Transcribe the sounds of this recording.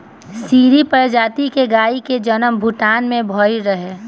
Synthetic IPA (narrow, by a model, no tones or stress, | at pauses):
siːɾipəɾd͡ʒaːt̪ikeɡaːiked͡ʒɐnəmbʱʊʈaːnmẽbʱɔːiɾəɦeː